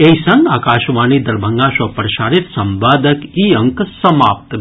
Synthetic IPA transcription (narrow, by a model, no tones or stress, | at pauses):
esɐnd̪aːkaːʃʋaːnid̪ɐɾbʱɐŋɡaːʃɐpɾɐʃaːɾit̪sɐmbaːd̪ɐkiɐŋksɐmaːp̚t̪